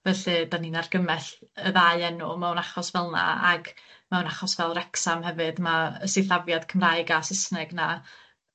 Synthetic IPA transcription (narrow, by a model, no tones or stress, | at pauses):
vɛɬɨdaniːnarɡəmɛɬəðajɛnʊmawnaχɔsvɛlˠna̰a̰ɡmawnaχɔsvɛlˠrɛksamhɛvɨdmaəsɪθavjad̥kʰəmraɨɡasəsnɛɡna